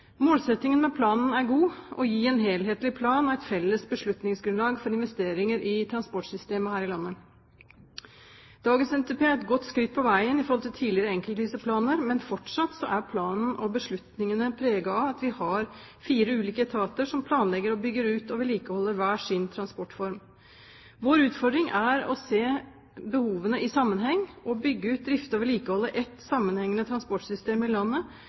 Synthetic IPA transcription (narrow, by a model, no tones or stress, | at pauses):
moːlsɛt̪nɪŋənmɛpʰlɑːnn̩æɾɡuːʔɔ̰jiːɛnɦeːlɦeːt̪lɪpʰlɑːnɔɛɪt̪fɛlːəsbəʂɭʉt̪nɪŋsɡɾʉnlɑːɡfɔɾɪnʋɛst̪eːɾɪŋəɾʔɪt̪ʰɾɑnspɔʈsʏst̪eːməhæːɾɪlɑnːə | d̪̥ɑːɡənsɛnt̪ʰepeːæɾɛt̪̚ɡɔt̪ːskɾɪt̪̚ːpʰɔʋæɪənɪfɔɾhɔlt̪ʰɪlt̪ʰiːlɪəɾəɛŋkəlt̪ʋiːsəpʰlɑːnəɾmɛnfɔʈʂɑt̪sɔʔæɾpʰlɑːnn̩ʔɔbəʂɭʉt̪nɪŋənəpʰɾeːɡɑɑɑt̪ʋɪhɑɾfiːɾəʉːliːkət̪ʰɑːt̪əʂɔmpʰlɑːnlɛɡːəɾɔbʏɡːəɾʉːt̪ɔʋɪliːkəhɔlːəɾʋæːʂɪnt̪ʰɾɑnspɔʈːfɔɾm | ʋoːɾʉːt̪fɔɖ̪ɾɪŋʔæɾɔ̰seː | bəhuːʋənəʔɪsɑmːənɦɛŋːɔbʏɡːəʉːt̪̚d̪ɾɪft̪əɔʋɪliːkəhɔlːəʔɛt̪sɑmːənhɛŋːənət̪ʰɾɑnspɔʈsʏst̪eːmɪlɑnːə